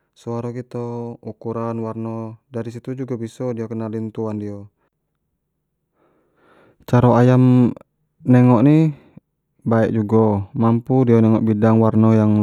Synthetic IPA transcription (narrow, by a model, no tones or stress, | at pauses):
suaɾɔkit̪ɔukuɾanwarnɔdaɾisit̪ud͡ʒuɡabisɔdiakənalint̪uandiɔ | t͡ʃaɾɔajam | nɛŋɔʔni | baɛʔd͡ʒuɡɔmampudiɔnɛŋɔʔbidaŋwarnɔjaŋ